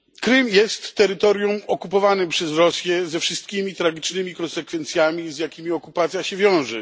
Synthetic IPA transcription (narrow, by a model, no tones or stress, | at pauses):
kɾɘmjɛst̪ːɛɾɘt̪ɔɾjumɔkupɔvanɘpʂɛzɾɔsʲjɛzɛfʂɘst̪̚kʲimʲit̪ɾaɡʲit͡ʂnɘmʲikɔnsɛkfɛnt̪sʲjamʲizjakʲimʲiɔkupat̪sjaɕɛvʲjɔ̃w̃ʐɛ